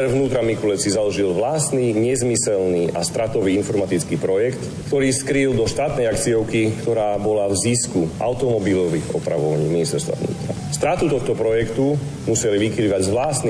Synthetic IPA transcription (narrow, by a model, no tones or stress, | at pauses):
vnuːt̪ɾamikulɛt͡sizalɔʒilʋlaːst̪niɲɛzmisɛlniːʔa̰st̪ɾat̪ɔʋiːinfɔɾmat̪it͡skiːpɾɔjɛkt̪ | kt̪ɔɾiːskɾild̪ɔʃt̪aːt̪nɛjakt͡siɔʊkikt̪ɔɾaːbɔlavziskua̰ʊt̪ɔmɔbilɔʋiːɣɔ̰pɾa̰ʋɔʋaɲiːminist̪ɛɾst̪ʋa̰ʋnṵːt̪ɾa̰ | st̪ɾat̪ut̪ɔxt̪ɔpɾɔjɛkt̪u | musɛliʋikiliːʋaɟzʋlaːst̪ni